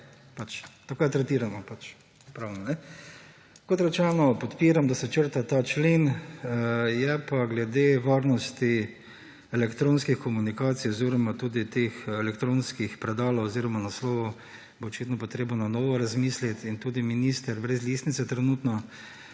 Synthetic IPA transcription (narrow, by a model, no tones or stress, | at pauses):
pat͡ʃt̪akojat̪ɾɛt̪iːɾamɔpat͡ʃ | pɾawnɔnɛ | kot̪ɾɛt͡ʃɛnɔpɔt̪piːɾamd̪asɛt͡ʃəɾt̪at̪aːt͡ʃlen | jɛpaɡlɛd̪eʋaɾnɔst̪i | ɛlɛkt̪ɾõnskixkɔmunikaːt̪sijɔziɾɔmat̪uːd̪it̪exɛlɛkt̪ɾõːnskixpɾɛd̪aːloɔziːɾɔmanaslɔːʋu | boɔt͡ʃit̪nɔpɔt̪ɾeːbnɔnanɔːʋɔɾazmiːslit̪int̪uːd̪iminiːst̪ɛɾbɾɛzlist̪nit̪sɛt̪ɾɛnuːt̪nɔ